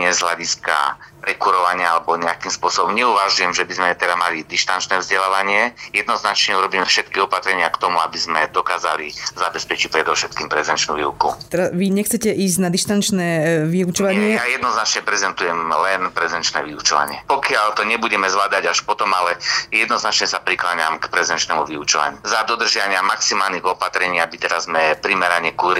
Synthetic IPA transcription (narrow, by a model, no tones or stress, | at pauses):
ɲɛzɦlaɟiska̰pɾɛkuɾɔʋaɲɪaalɛbɔɲɛakimspʊɔsɔbɔmɲɛuʋaʒujɛmʒɛbizmɛt̪ɛd̪amalid̪iʃt̪ant͡ʃnɛːvzɟɛlaːʋaɲɪɛjɛd̪nɔznat͡ʃɲɛuɾɔbiːmɛfʃɛt̪kiɔpat̪ɾɛɲɪakt̪ɔmuabizmɛd̪ɔkaːza̰lizabɛspɛt͡ʃic̚pɾɛd̪ɔʊʃɛt̪̚kiːmpɾɛzɛnt͡ʃnṵʋḭukṵt̪ɛɾaʋiɲɛxt͡sɛcɛʔiːzɟnad̪iʃt̪ant͡ʃnɛːʋiut͡ʃɔʋaɲɪɛjajɛd̪nɔznat͡ʃɲɛpɾɛzɛnt̪ujɛmlɛnpɾɛzɛnt͡ʃnɛ̰ʋiut͡ʃɔʋa̰ɲɪɛpɔkɪalt̪ɔɲɛbuɟɛmɛzlaːd̪aɟaʃpɔt̪ɔmalɛjɛd̪nɔznat͡ʃɲɛsapɾiklaːɲamkpɾɛzɛnt͡ʃnɛːmuʋiut͡ʃɔʋa̰ɲuzad̪ɔd̪r̩ʒɪaaɲɪamaksimaːlniɣɔpat̪ɾɛɲiːabit̪ɛɾazmɛpɾimɛɾaɲɛkuɾi